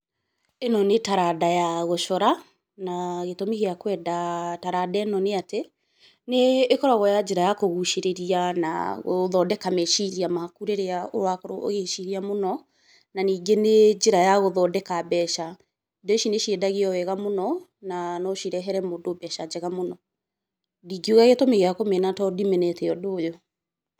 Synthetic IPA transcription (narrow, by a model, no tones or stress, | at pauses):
enɔnetaɾadajaɣoʃɔɾa | naɣetomiɣeakwɛdataɾadanɔneate | neːkɔɾɔɣɔjad͡ʒeɾajakoɣuʃeɾeɾiana̰ɣoðɔdɛkameʃiɾiamaakuɾeɾeao̰wakɔɾoo̰ɣeʃiɾiamonɔ | naniːɡened͡ʒeɾajaɣoðɔdɛkabɛʃa | doeʃineʃiɛdaɣiɔwɛɣamonɔ | nanɔʃiɾɛɦɛɾɛmodobɛʃad͡ʒɛɣamonɔ | diɡioɣaɣɛtɔmeɣeakomenatɔdimɛnɛtɛɔdoːjo